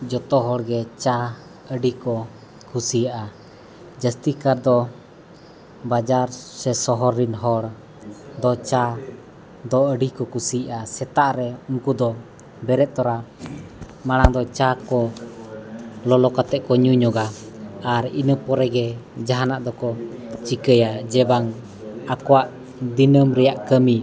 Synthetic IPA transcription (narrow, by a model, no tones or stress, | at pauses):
d͡ʒɔt̪ɔɦɔɽɡɛt͡ʃa | əɖikɔ | kʰusijaʔa | d͡ʒəst̪ikaɾd̪ɔ | bad͡ʒaɾsɛsɔɦɔɾinɦɔɽ | d̪ɔt͡ʃa | d̪ɔəɖikɔkusijʔasɛt̪aʔɾɛuŋkud̪ɔ | bɛɾɛt̪̚t̪ɔɾa | maɽaŋd̪ɔt͡ʃakɔ | lɔlɔkat̪ɛʔkɔɲuɲɔɡaaɾinəpɔɾɛɡɛd͡ʒaɦanaʔd̪ɔkɔt͡ʃikəjad͡ʒɛbaŋ | akɔwaʔ | d̪inəmɾɛjaʔkəmi